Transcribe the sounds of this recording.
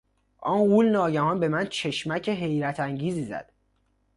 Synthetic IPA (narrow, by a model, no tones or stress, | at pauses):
ʔɒːnɢuːlnɒːɟæhɒnbe̞mænt͡ʃʰe̞ʃmæcʰeɦe̞jɾæt̪ʰæŋɟiːziːzæ̰d̪̥